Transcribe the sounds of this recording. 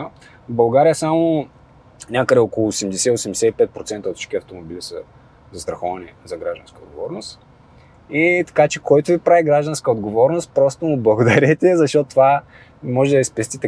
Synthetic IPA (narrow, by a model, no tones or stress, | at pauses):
bɐlˠɡaɾijəsamo | nʲakəd̪ɛɔkolˠʊːsɛmd̪ɛsɛiosɛmd̪ɛsɛipɛt̪̚pɾotsɛnt̪əot̪ʃt͡ʃkʲiɐft̪omobilisə | zɐst̪ɾɐxɔvɐnɛzɐɡɾaʒd̪ɐ̃nskəod̪̚ɡovɔ̰ɾnost̪ | it̪ɐ̥kat͡ʃɛkɔjt̪ʊvipɾaviɡɾaʒd̪ɐnskəod̪ɡovɔɾnost̪̚pɾɔst̪ʊmʊblˠɐɡod̪ɐɾʲɛt̪ʲɛzɐʃt̪ɔt̪t̪va | mɔʒɛd̪ɐispɛst̪ʲit̪ɛ